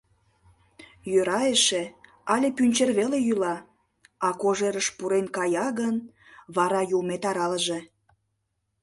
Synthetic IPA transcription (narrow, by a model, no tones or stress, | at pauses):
jøɾɑeʃe | ɑlʲepynʲt͡ɕerβelejylɑ | ɑkoʒeɾəʃpuɾenkɑjɑɣən | βɑɾɑjulmet̪ɑɾɑləʒe